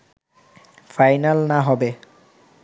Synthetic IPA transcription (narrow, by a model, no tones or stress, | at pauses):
fajnalnaɦɔbe